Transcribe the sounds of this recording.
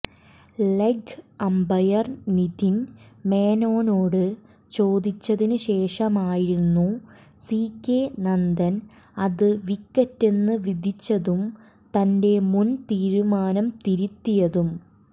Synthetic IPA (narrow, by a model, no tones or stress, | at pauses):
leɡɐmbɐjɐrniðinme̞ːno̞ːno̞ːɽɨ | t͡ɕo̞ːd̪it͡ɕːɐðinɨɕe̞ːʂɐmaːjiɾunːu | siːkːenɐnd̪ɐn | ɐðɨʋikːɐtːenːɨʋid̪ʱit͡ɕːɐðum | t̪ɐnde̞munt̪iːɾumaːnɐmt̪iɾut̪ːijɐðum